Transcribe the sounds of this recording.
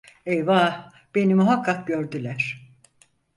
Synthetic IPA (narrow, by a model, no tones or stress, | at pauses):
ejvaː | b̥enimuɦakːak̚ɟøɾd̪ylʲæɾ̥